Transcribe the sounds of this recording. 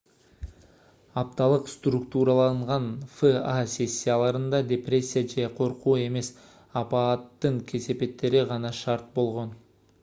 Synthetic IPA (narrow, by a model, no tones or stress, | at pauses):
ɑp̚t̪ɑlˠɯqst̪rukt̪uɾɑlˠɑɴʁɑnfɨasʲe̞sʲːijalˠɑɾɯnd̪ɑdʲeprʲe̞sʲːijad͡ʒeqʰo̞ɾquːe̞me̞s | ɑpɑːt̪ːɯɴkʲʰe̞se̞pe̞t̪ːe̞ɾiʁɑnɑʃɑɾt̪̚bo̞lˠʁo̞n